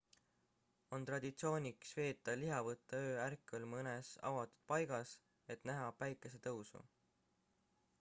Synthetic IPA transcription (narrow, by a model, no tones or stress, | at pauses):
o̞nt̪rɑd̪̥it̪sio̞ːnʲiksve̞ːt̪ːˑɑliɦɑvɤt̪ˑːɑø̞ːærkːˑolmɤnesɑ̰wɑt̪ːˑu̥d̪̥̚pɑjɡ̥ɑs | e̞t̪næɦɑpæjkːˑe̞se̞t̪ɤwsṵ